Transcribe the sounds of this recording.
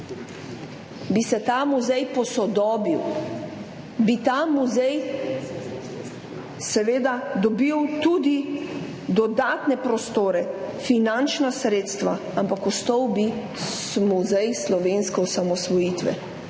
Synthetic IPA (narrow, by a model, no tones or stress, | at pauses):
bisɛt̪amuzɛjpɔsɔd̪ɔːbiw | bit̪amuzɛj | sɛʋeːd̪ad̪ɔbiwt̪ud̪i | d̪ɔd̪aːt̪nɛpɾɔst̪oːɾɛfinant͡ʃnasɾeːt̪st̪ʋa | ampakɔst̪ɔwbi | muzɛjslɔʋeːnskɛɔsamɔsʋɔjiːt̪ʋɛ̰